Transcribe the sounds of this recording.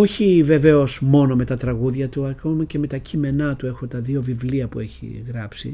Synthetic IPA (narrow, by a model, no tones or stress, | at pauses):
o̞çive̞ve̞o̞smo̞no̞me̞t̪ɐt̪ɾɐɣuðʝɐt̪uɐkomɐce̞me̞t̪ɐcʰime̞nɐt̪ue̞xo̞t̪ɐðio̞vivliɐpue̞çḭɣɾɐpsḭ